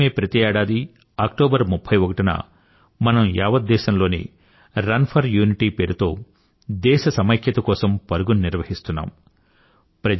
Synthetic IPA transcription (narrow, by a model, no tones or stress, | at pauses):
e̞ːpɾɐt̪iɛːɽaːd̪i | aːk̚ʈoːbɐɾmupʰːɐjʋokɐʈinɐ̰ | mɐnɐmjaːʋɐt̪̚d̪ːɛːʃɐmlo̞ːnḭ | ɾɐnpʰɐɾjuːniʈiːpeːɾut̪o̞ː | d̪ɛːʃɐsɐmɐjkʰjɐt̪ɐkɔːsɐmpɐɾuɡunniɾʋɐhist̪unːa̰ːm | pɾɐ